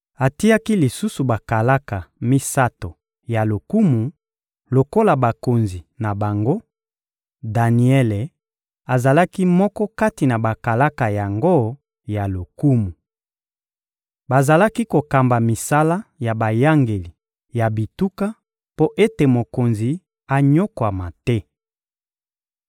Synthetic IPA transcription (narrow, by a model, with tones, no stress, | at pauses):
a˨ti˦a˦ki˦li˨su˦su˨ba˨ka˨la˦ka˨mi˦sa˦to˨ | ja˨lo˨ku˦mu˨ | lo˨ko˦la˨ba˨ko˨nzi˨na˨ba˨ŋɡo˦ | da˨ni˨ɛ˦le˨ | a˨za˨la˦ki˦mɔ˦kɔ˦ka˦ti˨na˨ba˨ka˨la˦ka˨ja˨ŋɡo˦ | ja˨lo˨ku˦mu˨ | ba˨za˨la˦ki˦ko˨ka˨mba˨mi˨sa˦la˦ja˨ba˨ja˦ŋɡe˨li˨ | ja˨bi˨tu˦ka˦ | po˦ʔe˦te˨mo˨ko˨nzi˨ | a˨ɲo˦kwa˨ma˨tɛ˦